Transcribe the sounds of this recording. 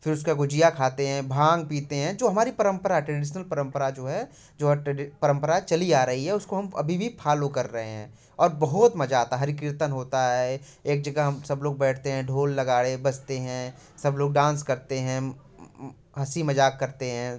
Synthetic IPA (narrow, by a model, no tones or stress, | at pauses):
fɪɾʊskaɡod͡ʒijakʰaːt̪eɦɛ̃ːbʱãːŋɡ̚piːt̪eɦɛ̃d͡ʒoːɦɐmaːɾipɐɾə̃mpəɾaɦɛʈɾɛɖɪʃnəlpɐɾə̃mpəɾad͡ʒoːɦɛ | d͡ʒoːɦɛʈɖɪpɐɾə̃mpəɾat͡ʃɐliaːɾɐɦiɦɛʊskoɦɐmɐ̰bʱibʱipʰaːlokɐɾːɐɦeɦɛ̰̃ː | ɔːɾbɐɦʊt̪mɐd͡ʒaːt̪aɦɐɾɪk̬ɾɪɾt̪ənɦoːt̪aɦɛ | eːk̚d͡ʒɐɡaɦɐmsɐbloːɡ̚bɛːʈʰt̪eɦɛ̃ɖʱoːlːɐɡaːɽebɐst̪eɦɛ̃ | sɐbloːɡɖãːnskɐɾt̪eɦɛ̃ | ɦɐsimɐd͡ʒaːkːɐɾt̪eɦɛ̃ː